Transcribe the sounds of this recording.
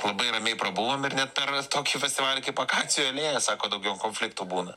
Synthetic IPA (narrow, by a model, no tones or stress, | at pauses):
lˠɐbɐɪrɐmʲɛɪpɾɐbuʋoːmɪrnʲɛt̪̚pʲɛrt̪oːkʲiːfʲɛsʲt̪ʲɪʋɑːlʲɪkɐɪpɐkɑːt͡sʲɪjuɛlʲeːjɛsɑːkoːd̪ɐʊɡʲɛʊkoːnʲfʲlʲɪk̚t̪uːbuːnɐ